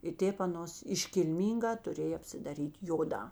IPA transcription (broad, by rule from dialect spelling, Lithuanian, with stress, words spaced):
ɪ ˈtʲeːp ɐˈnoːs ɪʃʲkʲɪlʲˈmʲiːŋˌɡɑː tʊˈrʲeːj ɐpʲsʲɪdɐˈrʲiːtʲ ˈjoːˌdɑː